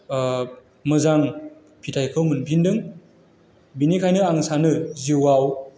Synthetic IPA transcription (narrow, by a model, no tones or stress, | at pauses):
mɯzaŋ | pʰitʰajkʰɯwmɯnpʰindɯŋ | binikʰajnɯaŋsanɯziwaw